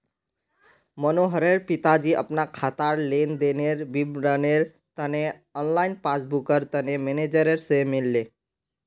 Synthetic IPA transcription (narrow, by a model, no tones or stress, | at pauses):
mənoɦəɾeɾpit̪ad͡ʒiʔə̰pnakʰat̪aɾlend̪eneɾbiɾəneɾ | t̪əne | ɔnlainpasbukəɾt̪ənemened͡ʒəɾeɾsemilːe